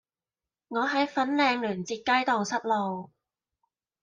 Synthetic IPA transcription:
ŋɔː˨˧ɦɐ˨˥jfɐ˨˥nlɛː˨˧ŋlyː˨˩nt͡siː˧t̚kaː˥jt̪ɔː˨ŋsɐ˥t̚lo˨˧w

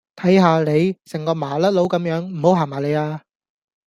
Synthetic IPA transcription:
t̪ʰɐ˨˥jɦaː˧le˨˧jsɛ˨˩ŋkɔː˧maː˨˩lɐ˥t̚lo˨˧˥wkɐ˨˥mjœː˨˥ŋm̩˨˩ho˨˥wɦaː˨˩maː˨˩le˨˧jaː˧

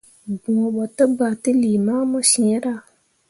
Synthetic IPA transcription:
bũ˨ɔ˨ɓɔ˨tə˦ba˨tɨ˦li˨ma˦mɔ˦sĩ˨˦ɾa˦˨

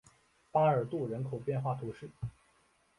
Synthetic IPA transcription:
pa˥ə˞˨˩t̪u˥˩ɻə˧˥nkʰo˨˩ʊpjɛ˥˧nxwa˥˩t̪ʰu˧˥ʂɻ̩˥˩

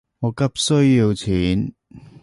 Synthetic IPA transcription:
ŋɔː˨˧kɐ˥p̚sɵ˥ɥjiː˧wt͡sʰiː˨˥n

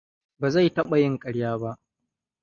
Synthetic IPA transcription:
baː˨za˦˨jtɐ˦ɓa˨jɪ˦ŋkʼɐ˨ɽjaː˦ba˦ʔ

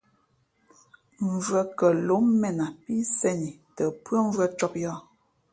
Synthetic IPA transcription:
m˨vwə˦kə˨lo˨˦mːɛ˨na˨pi˦sɛ˦ni˨tə˨pwə˦ɱ˦vwə˦t͡ʃɔ˦p̚jɔ˦˨

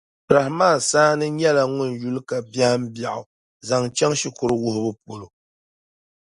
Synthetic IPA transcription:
pɾa˨hmaː˦˨saː˦nɨ˦ɲɛ˦la˨ŋʊ˦˨nju˦lka˨ba˦hm̩˦bja˨ʔʊ˨ | za˨ŋt͡ʃɛ˦ŋʃi˦kʊ˦ɾɨ˦wʊ˦hʊ˦bɨ˦p̚o˨lo˨

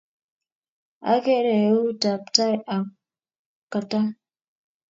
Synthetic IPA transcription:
a̰˦ɡe˦ɾe˨˦u˦da˨pta˦ja˨ | ka˨ta˦

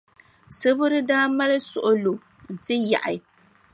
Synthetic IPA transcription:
sɨ˦bʊ˦ɾɨ˦daː˦ma˦lɨ˦sʊ˨ʔʊ˦lo˨ | n̩˨tɨ˦ja̰˨ʔa˨

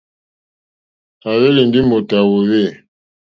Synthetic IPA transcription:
a˨βe˦li˨n˦di˦mo˨ta˨wo˨we˦˨

